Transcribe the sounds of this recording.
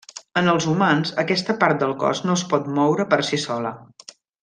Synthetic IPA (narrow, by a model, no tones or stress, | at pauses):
ənəlˠzumanzəkɛst̪əpaɾt̪̚d̪əlˠkɔ̰znoəspɔt̪̚mɔwɾəpəɾsisɔlə̰